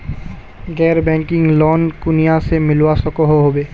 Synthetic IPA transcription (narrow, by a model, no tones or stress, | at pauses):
ɡɛːɾbɛ̃ŋkɪ̃ŋɡlɔːnkʊnijasemɪlwasɔkoɦoɦobeː